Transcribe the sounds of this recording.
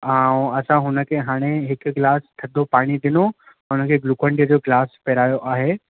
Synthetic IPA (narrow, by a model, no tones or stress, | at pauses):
aũɐsãɦʊnəkʰeːɦaːɽ̃eɦɪkɡɪlaːst̪ʰɐd̪ʱopaːɽ̃id̪ɪno | ɦʊnə̆kʰeːɡluːkə̃ɳʈiəd͡ʑoːɡlaːspɛːɾaːjoʔaːɦeː